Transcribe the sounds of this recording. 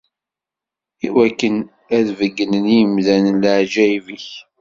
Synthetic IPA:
ḭwækːən | æðvəɡːənənijəmðænələʕd͡ʒæiviç

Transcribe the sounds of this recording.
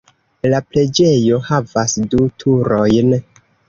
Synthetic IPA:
laple̞d͡ʒe̞jo̞havasdutʰuɾo̞jn

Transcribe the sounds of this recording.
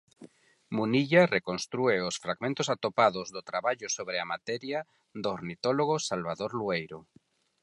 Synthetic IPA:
muniʎarekonst̪ɾueosfɾaɣmẽnt̪osat̪opaðozðot̪ɾaβaʎosoβɾeamat̪ɛɾja | ðoːɾnit̪oloɣ̞osalβaðoɾluejɾo

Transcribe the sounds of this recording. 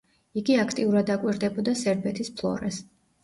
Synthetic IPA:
iɡiakʰt̪ʼiuɾad̪akʼwiɾd̪ɛbɔd̪asɛɾbɛt̪ʰispʰlˠɔ̰ɾɛs

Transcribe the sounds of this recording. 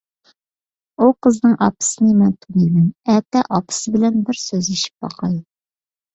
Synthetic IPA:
uqʰəznɨŋʔɑ̰pɨ̥sɨnɨmɛnt̪ʰunijmɛnɛt̪ːɛʔɑpʰɨ̥sɨbɪlɛnbɪɾsøziʃi̥p̚bɑ̰qʰɑj

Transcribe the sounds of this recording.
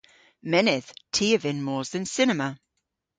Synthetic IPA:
mɛnɪθtʰiːəvɪ̃nmɔːzðə̃nsɪnəmə

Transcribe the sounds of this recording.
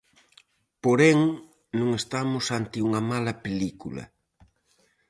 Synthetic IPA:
poɾɛŋ | nõŋest̪amʊsant̪ɪuŋɐmalɐpelikulɐ̰

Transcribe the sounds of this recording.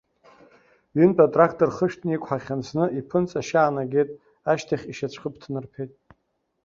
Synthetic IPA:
ɥʏntʼatʼrakʰtʼorχəʃᶣtʰnɨikʷʰʼħaχʲansnɨʔipʰɨnt͡sʼaʃaːnaɡʲejtʼ | aʃtʰaχʲiʃat͡ɕʷʰqʼəpʰtʰnɨrpʰejtʼ

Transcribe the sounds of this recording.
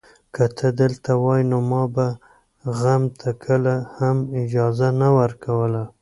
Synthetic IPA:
kat̪ʰəd̪əlt̪awɑjnomɑba | ɣamt̪ʰakʰəlahamɪd͡ʒɑzanawəɾkawəla

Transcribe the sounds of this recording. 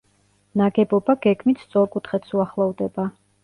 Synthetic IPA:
naɡɛbɔbaɡɛɡmit̪ʰst̪sʼɔɾkʼut̪ʰχɛt̪suaχlˠɔvd̪ɛba

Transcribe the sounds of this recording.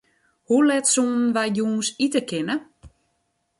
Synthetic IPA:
hulɛtsuːnn̩ʋajjuːnsitəkʰɪnə

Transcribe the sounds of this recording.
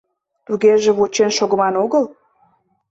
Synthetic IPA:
t̪uɣeʒĕβot͡ɕenʃoɣəmɑnoɣəl

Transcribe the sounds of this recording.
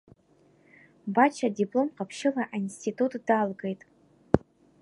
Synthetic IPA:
bat͡ʃʰadipʼlo̞mqapʰʃɪlaʔainstʰitʰʼutʰʼd̥alɡe̞jtʼ

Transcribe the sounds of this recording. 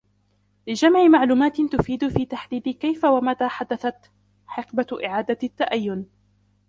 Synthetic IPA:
lɪd͡ʒamʕɪmaʕluːmaːt̪ɪt̪ʊfiːd̪ʊfiːt̪aħd̪iːd̪ɪkajfawamat̪aːħad̪aθat̪ | ħɪqbaʔɪʕaːd̪at̪ːaʔajːʊn

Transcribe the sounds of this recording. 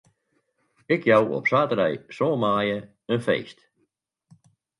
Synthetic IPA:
ɪkʰjawɔ̰psaːtəɾɛjsoːmaːjə | ənfḛːst

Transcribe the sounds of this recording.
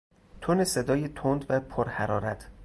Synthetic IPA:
t̪ʰonesed̪ɒːjet̪ʰond̪væpʰoɾhæɾɒːɾæt̪ʰ

